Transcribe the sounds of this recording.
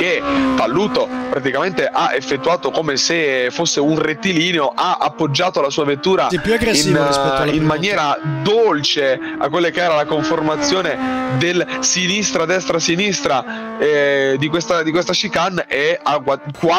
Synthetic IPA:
ket̪alːuːt̪opɾat̪̬ikament̪eʔaʔefːet̪ːuaːt̪okoːmesefosːeunret̪ːiliːneoʔaʔa̰pːod͡ʒːaːt̪olasuːavet̪ːuːɾapjuaɡɾeinstːimmanjɛːɾad̪olt͡ʃe | a̰kwelːakeɛːɾalakoɱformat̪sːjoːned̪elsinist̪ɾad̪ɛst̪ɾasinist̪ɾa | ɛd̪ikwest̪ad̪ikwest̪aʃikaneaakwa

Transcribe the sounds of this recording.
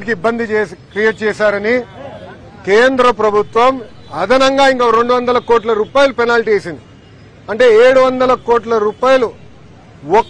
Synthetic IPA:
ʈikiibːɐnd̪it͡ʃːkɾijeʈ̚t͡ʃɛːsaːɾɐni | keːnd̪ɾɐpɾɐbʱut̪ʋɐm | ɐd̪ʱɐnɐŋɡaːiŋkoɾe̞ɳɖuʋɐnd̪ɐlɐkoːʈlɐɾuːpaːjɐlupɛnaːlʈieːsind̪i | ɐɳʈe̞ːeːɽuʋɐnd̪ɐlɐkoːʈ̬lɐɾuːpaːjɐlu | ɔk

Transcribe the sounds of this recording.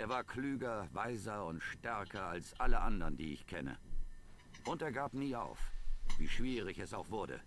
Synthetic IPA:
ʔeːɐvaːɐkʰlyːɡɐvaɪzɐʊntʃtɛɐkʰɐalsʔaləʔandɐndḭːɪ̰çkʰɛnə̰ | ʔʊnteːɐɡaːpniːa̰ʊfv̥ḭːʃv̥iːʁɪçɛsaʊxv̥ʊɐdə̰

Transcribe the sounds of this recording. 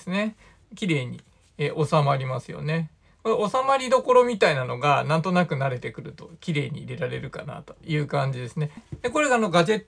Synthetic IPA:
sɨne̞ | kʲiɾe̞ːɲ̟ḭ | ʔo̞samaɾʲimasɨjo̰ne | koo̞samaɾʲid̪o̞ko̞ɾo̞mʲit̪ainano̞ɡanãnt̪o̞nakɯ̟naɾe̞t̪e̞kɯ̟ɾɯ̟t̪o̞kʲiɾe̞ːɲ̟ḭːɾe̞ɾaɾe̞ɾɯ̟ka̰na̰t̪o̞̥jɯ̟ːkãɲ̟d͡ʑid̪e̞sɨne̞d̪̥e̞ko̞ɾe̞ɡaːno̞ɡaʑe̞t̪ː

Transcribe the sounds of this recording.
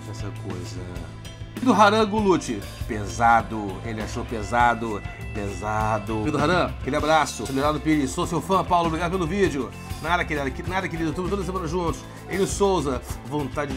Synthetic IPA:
ɛsɐkojzɐ̰ | d̪ʊɦaɾɐ̃ɡulut͡ʃɪ | pezad̪ʊelɪaʃopezad̪ʊ | pezad̪ʊɾid̪ʊɦaɾɐ̃kɾiabɾasʊselevɾad̪ʊpilɪsosewfɐ̃pawlʊobɾiɡad̪ʊpelʊvid͡ʒʊ | nad̪ɐkɪɾiad̪ɐknad̪ɐkeɾid̪ʊt̪obɪt̪od̪ɐs̬emɐ̃nɐʒũnt̪ʊ̥s | ẽj̪ʊsowzɐvõnt̪ad͡ʒɪ

